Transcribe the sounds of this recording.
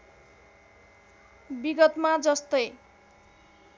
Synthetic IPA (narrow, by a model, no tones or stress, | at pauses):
biɡʌt̪mad͡zʌst̪ʌj